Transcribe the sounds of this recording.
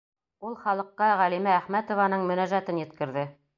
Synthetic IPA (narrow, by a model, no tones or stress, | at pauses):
ulˠχɑlˠɤ̆qːɑʁælimæːχmæt̪ŏvɑnɤɴmɵ̆næʒæt̪ɘnjɘ̆t̪kɘ̆ɾðɘ